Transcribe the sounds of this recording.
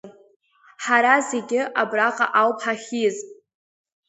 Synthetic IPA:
ħaɾaze̞ɡʲɪʔabraqʼa̰ʔawpʰħaχʲiz

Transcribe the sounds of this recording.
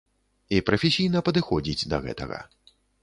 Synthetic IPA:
ipɾɐfʲɛsʲijnɐpɐd̪ɨxɔd͡zʲid͡zʲd̪ɐɣɛ̰t̪ɐ̰ɣɐ̰

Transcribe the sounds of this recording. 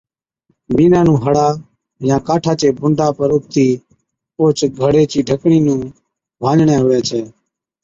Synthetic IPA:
biːnãːnũːɦəɽaː | jãːkaːʈʰaːt͡ʃeːbʱʊɳɖaːpəɾʊp̚t̪iː | oːt͡ʃɡʱəɽeːt͡ʃiːɖʱəkɳiːnũː | bʱãːd͡ʒɳɛ̃ːɦʊʋɛːt͡ʃʰɛː

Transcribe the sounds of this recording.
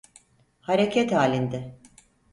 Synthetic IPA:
haɾecʰɛt̪haːlʲind̪ɪ

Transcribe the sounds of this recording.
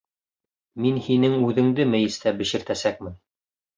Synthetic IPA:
minhinɘŋʉðɘ̆ŋd̪ɘmæ̆jɘ̆st̪æbɘ̆ʃɘ̆ɾt̪æsæk̚mɘn

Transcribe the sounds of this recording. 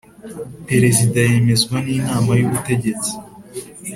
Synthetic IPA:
pe̞ɾe̞zidaje̞me̞zɡwaniːnaːmajuβute̞ɟe̞t͡si̥

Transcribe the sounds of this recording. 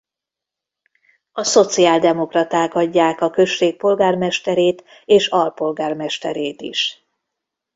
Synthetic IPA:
ɒso̞t̪siaːld̪ɛmo̞krɒt̪aːkɒɟːaːkɒkø̞ʃːeːk̚po̞lɡaːrmɛʃt̪ɛɾeːt̪ | eːʃɒlpo̞lɡaːrmɛʃt̪ɛɾeːt̪ḭʃ

